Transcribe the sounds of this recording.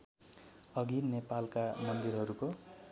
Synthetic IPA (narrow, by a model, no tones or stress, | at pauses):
ʌɡinnepalkamʌnd̪iɾɦʌɾuko